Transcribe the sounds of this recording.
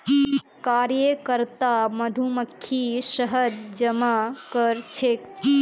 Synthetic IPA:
kaːɾjəkəɾt̪amɐd̪ʱuməkʰːiʃəɦəd̪d͡ʒɐmakəɾt͡ʃʰek

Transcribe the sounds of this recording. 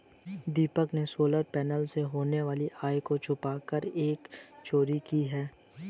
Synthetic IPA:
d̪iːpəknesoːləɾpɛːnəlseɦoːneʋaːliʔaːjkot͡ʃʰʊpaːkəɾeːkt͡ʃoːɾikiɦɛː

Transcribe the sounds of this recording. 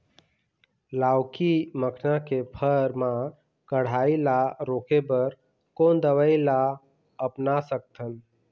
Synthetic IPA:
laːwkiməkʰnakepʰəɾmã | kəɽ̤aːilaɾoːkebəɾ | koːnd̪əwəila | əpnasək̚t̪ʰən

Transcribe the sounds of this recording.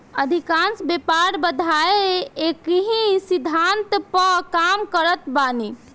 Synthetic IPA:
əd̪ʱikansbepaɾbəd̪ʱaeekiɦĩsid̪ʱant̪pəkamkəɾət̪bani

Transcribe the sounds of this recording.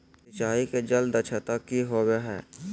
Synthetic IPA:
ɪt͡ʃaːiked͡ʒɐld̪ət͡ʃʰət̪akiɦoːweɦɛ̰ː

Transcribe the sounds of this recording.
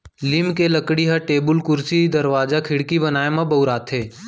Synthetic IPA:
limkeləkɽiɦaʈeːbʊlkʊɾsid̪əɾʋaːd͡ʒakʰɪɽkibənaːemãbəʊɾaːt̪ʰɦeː

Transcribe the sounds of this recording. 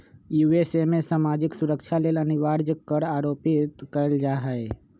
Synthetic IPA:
juesemẽsaːmaːd͡ʒɪksʊɾəkʃʰaleːləniʋaːɾd͡ʒəkkəɾaːɾopɪt̪kəld͡ʒaːɦəe

